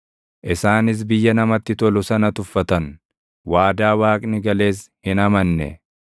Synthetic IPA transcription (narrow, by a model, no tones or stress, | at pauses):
ʔɪsaːnɪs̬bɪjːɐnɐmɐt̪ːɪt̪ɔlʊsɐnɐt̪ʊfːɐt̪ɐn | waːd̪aːwaːkʼnɪɡɐle̞ːshɪnɐmɐnːɛ̰